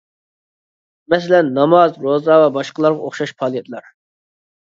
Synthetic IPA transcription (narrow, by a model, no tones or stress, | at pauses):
mɛs̬ɛlɛnːɑmɑzɾozɑvɑbɑʃqəlˠɑɾʁɑoχʃɑʃpʰɑːlˠijɛt̪ʰlˠɑɾ